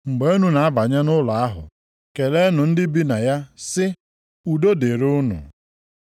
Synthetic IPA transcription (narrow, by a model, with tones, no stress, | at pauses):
ŋ͡m̩˨ɡ͡be˦o˦nu˨na˨a˦ba˨ɲa˦nʊ˦la˨a˦ɦʊ̰˨ | ke˨le˦nʊ˨n̩˦dɪ˦bi˦na˨ja˦sɪ˦ | u˨do˦de˨ɾʊ˦nʊ̰˨